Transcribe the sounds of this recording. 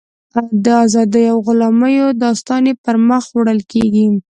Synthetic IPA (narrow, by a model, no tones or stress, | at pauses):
awd̪əazɑd̪əjawɣʊlɑməjod̪ɑst̪ɑnepəɾməxwɽəlkeɡi